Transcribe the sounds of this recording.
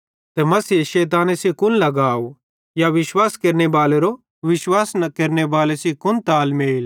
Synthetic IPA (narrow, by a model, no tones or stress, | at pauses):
t̪ɛmɐsiːeʃɛːt̪̬aːnesikʊnlɐɡaːo | jaʋɪʃwaːskeɾnebaːleɾo | ʋɪʃwaːsnkeːɾnebaːlesikʊnt̪aːlmeːl